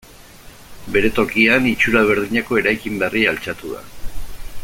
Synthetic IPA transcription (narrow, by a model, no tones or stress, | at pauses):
be̞ɾe̞t̪o̞kianit͡ʃuɾaβ̞e̞ɾðiɲako̞e̞ɾajkimbarialt͡ʃat̪uða̰